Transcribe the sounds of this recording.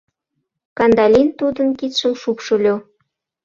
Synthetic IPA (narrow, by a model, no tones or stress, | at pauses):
kɑnd̪ɑlʲint̪ud̪ənkit̪ʃəmʃupʃolʲo